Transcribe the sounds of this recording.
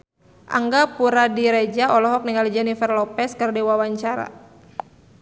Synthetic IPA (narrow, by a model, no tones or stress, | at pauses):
ʔa̰ŋɡapuɾadiɾɛd͡ʒaʔɔlɔɦɔk̚niŋɡald͡ʒɛnifərlɔpɛskərdiwawaɲt͡ʃaɾa̰